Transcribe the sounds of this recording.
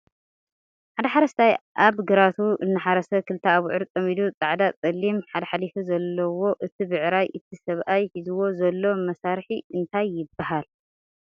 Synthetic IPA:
ħad̪ɐħaɾɐst̪ʰajʔaβɡɨɾat̪ʰuʔɨnːɨħaɾɐsɐkʰɨlt̪ʰaːβʕɨɾtʼɐmid̪ut͡sʼaʕd̪at͡sʼɐlːimħad̪ɐħalifizɐlːɐwo̞ʔɨt̪ʰibɨʕɾajʔɨt̪ʰisɐβʔajħizuwo̞zɐlːo̞mɐsaɾħiɨnt̪ʰajːɪbːahal

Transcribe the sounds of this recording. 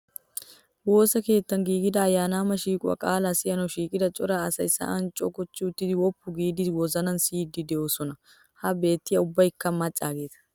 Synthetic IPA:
woːsɐke̞ːt̪ːɐŋɡiːɡɪd̪ɐːjːaːnaːmɐʃiːkʼɐ̰kʼaːlasɪjɐnɔʃiːkʼɪd̪ɐt͡ʃʼɔɾaɐsɐɪsa̰ʔɐnt͡ʃʼɔkɔt͡ʃːuːt̪ːɪwɔpːʊɡiːd̪ɪwɔzɐnɐnsiːd̪ɪd̪ɛʔosɔnɐ | hɐbe̞ːt̪ːɪjɐʊbːɐɪkːɐmmɐt͡ʃʼaːɡeːt̪ɐ̥

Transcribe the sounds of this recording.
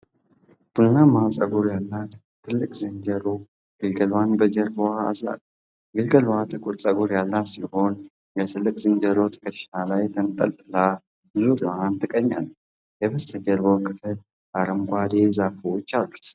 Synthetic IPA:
b̥unnamasʼəɡuɾjalːat̪t̪ʰːɨlːɨkʼzɨɲd͡ʒəɾo | ɡ̥ɨlɡəlwanbəd͡ʒəɾbwaa̰za̰kʼ | ɡɨlɡəlwat̪ʼɨkʼuɾt͡sʼəɡuɾjalːat̪siho̞n | bɛt̪ʰɨlːɨkʼzɨnd͡ʒəɾot̪ʼɨ̥kʼə̥alajt̪ʰənt̪ʼə̰lt̪ʼɨla | zuɾwant̪ʰɨkʼəɲːa̰l | jɛβəst̪ʰəd͡ʒəɾbowkʰɨfɨl | ʔaɾəmɡʷad̪ezafut͡ʃːalːut̪

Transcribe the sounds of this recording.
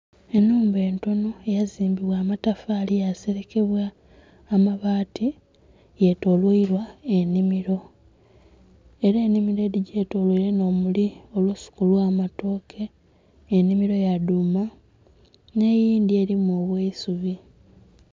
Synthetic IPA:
e̞nːuːmbe̞ːnto̞no̞ejaziːmbiβwaːmatafaːlijase̞ɾe̞ke̞βwaː | maβaːtʰi | je̞to̞lwoiɾwae̞nimiɾo̞ | eɾeːnimiɾeɾiɟe̞to̞lwoiɾe̞no̞ːmulio̞lusu̥kulwaːmato̞ːkʰe̞ː | nimiɾo̞jaduma | ne̞jiːnd̪ie̞ɾimuoβweisuβi

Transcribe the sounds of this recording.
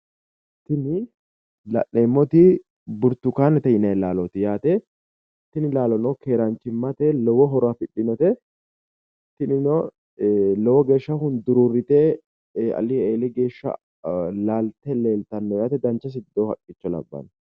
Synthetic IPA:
t̪ɪnɪ | lɐ̰ʔneːmːɔt̪ɪ | bʊɾt̪ːʊkaːnɛt̪ɛɪnɐjlaːlɔt̪ɪjaːt̪ɛ | t̪ɪnɪlaːlɔnɔkʰe̞ːɾɐnt͡ʃːɪmːɐt̪ɛlɔwɔɦɔɾafɪɗːɪnɔt̪ɛ | t̪ɪnɪnɔ | lɔwɔɡe̞ːʃːɐhʊnd̪ʊɾuːrːɪt̪ɛ | ɐ̰lɪeːlɪɡe̞ːʃːɐ̰ | laːlt̪ɛle̞ːlt̪ɐnːɔjaːt̪ɛd̪ɐnt͡ʃːɐs̬ɪd̪ːoːhɐkʼːɪt͡ʃːɔlɐ̰bːɐ̰n

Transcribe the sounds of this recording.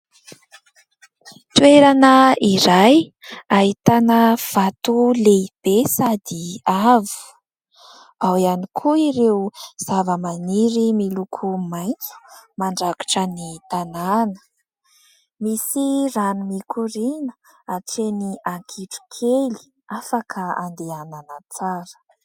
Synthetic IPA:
t̪weɾanəiɾajaɦit̪anəv̥at̪uleib̥esad̪iaviu̥ | awianikʰuiɾewz̥avəmaniɾimilukʰumajnt͡su̥maɳɖ͡ʐaku̥ʈ͡ʂənit̪ananə̥ | misiranumikʰuɾinə | aʈ͡ʂeniaŋkʰiʈ͡ʂu̥kʰeli̥ | afakʰəand̪eananət͡saɾə̥

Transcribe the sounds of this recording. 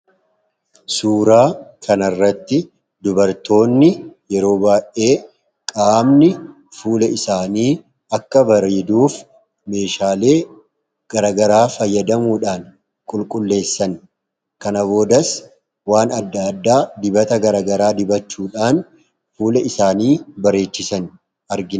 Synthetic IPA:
suːɾaːkʰɐnɐrːɐt̪ːɪ | d̪ʊbɐɾt̪o̞ːnːɪjɛɾo̞ːbaːʔe̞ː | kʼaːmnɪ | fuːlɛɪsaːniː | ɐkːɐbɐɾiːd̪uːf | me̞ːʃaːle̞ː | ɡ̥ɐɾaːɡɐɾaːfɐjːɐd̪ɐmuːᶑaːn | kʼʊlkʼʊlːe̞ːsːɐn | kɐnɐbo̞ːd̪ɐs | waːnɐd̪ːɐːd̪ːaːd̪ɪbɐt̪ɐɡɐɾɐːɡɐɾaːd̪ɪbɐt͡ʃːuːᶑaːn | fuːlɐɪsaːniːbɐɾe̞ːt͡ʃːɪsɐn | ɐɾɡɪ

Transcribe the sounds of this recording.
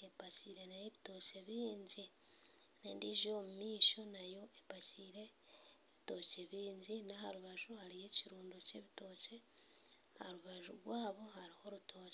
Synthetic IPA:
e̞paciɾe̞najeβito̞ːce̞βiːɲɟi | nendiʒio̞mumiːʃo̞najo̞ʔepaciːɾe̞ | βito̞ce̞βiːɲɟinahaɾuβaʒuhaɾije̞ciɾuːndoce̞̰βito̞ːce̞ | haɾuβaʒuɾɡwaːβo̞haɾiho̞ɾutʰo̞ːce

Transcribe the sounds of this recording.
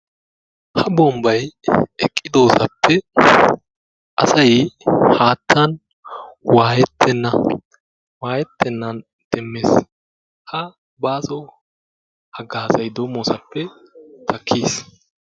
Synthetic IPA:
hɐbɔmbɐjɛkʼːɪd̪o̞ːsɐpʰːɛ | ʔɐ̰sɐjhaːt̪ːɐn | waːjɛt̪ʰːɛnːɐ | waːjɛt̪ːɛnːɐn | d̪̥ɛmːeːs | hɐ | baːzɔ | hɐɡaːsɐjd̪oːmoːsɐpːɛt̪ʰɐkʰːiːs

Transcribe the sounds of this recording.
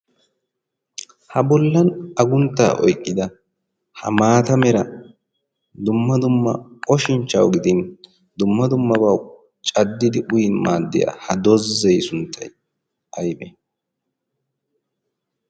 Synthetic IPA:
hɐbɔlːɐnɐɡʊnt̪ːa̰ːʔɔ̰jkʼːɪd̪ɐ | hɐ̰maːt̪ɐmɛɾɐ | d̪ʊmːɐd̪ʊmːɐ̰ɔʃɪnt͡ʃːɐ̰wɡɪd̪ɪn | d̪ʊmːɐd̪ʊmːɐbɐw | t͡ʃʼɐd̪ːɪd̪ɪʔʊjɪnmaːd̪ːɪja̰ːhɐd̪ɔzːɛjsʊnt̪ʰːɐj | ʔɐjbɛ

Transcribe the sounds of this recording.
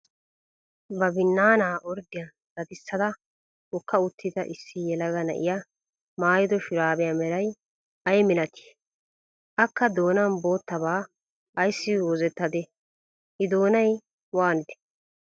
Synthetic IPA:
bɐbɪnːaːnaːʔɔɾd̪ɪjɐ | ɡɐd̪ɪsːɐd̪ɐ | wɔkʰːɐʊt̪ʰːɪd̪ɐʔɪsːɪjɛlɐɡɐnɐ̰ʔɪjɐ | maːjɪd̪ɔʃɪɾaːbɛjɐmɛɾɐj | ɐjmɪlɐt̪ʰɪ̥ | ʔɐkːɐd̪o̞ːnɐnbo̞ːt̪ːɐbaː | ɐjsːɪwɔzɛt̪ːɐd̪ɛ | hɪd̪o̞ːnɐj | waːnɪd̪ɛ̥

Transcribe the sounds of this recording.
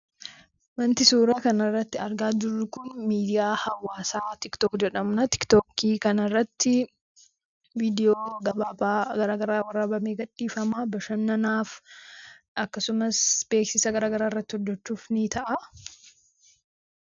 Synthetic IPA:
mɐnt̪ɪsuːɾɐkɐnɐrːɐt̪ːɪɐɾɡaːd͡ʒʊrːʊkʊnmiːd̪ɪjaːhɐwːaːsaːt̪ɪkt̪oːkd͡ʒɛᶑɐmnɐt̪ɪ̥kt̪oːkiːkɐnɐrːɐt̪ːɪ | viːd̪ɪjoːɡɐbaːɡɐɾaːɡɐɾaːwɐrɐbɐmeːɡɐᶑːiːfɐmaːbɐʃɐnːɐnaːf | ɐkːɐsʊmɐsb̥eːksɪsɐɡɐɾaːɡɐɾaːɪrːɐt̪ːɪhɔd̪ːɛt͡ʃːuːfnɪt̪ɐʔɐ

